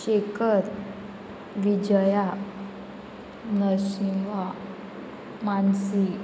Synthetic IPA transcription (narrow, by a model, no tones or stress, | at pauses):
ɕekʰəɾ | ʋid͡ʑəja | nəɕiŋʋa | mansi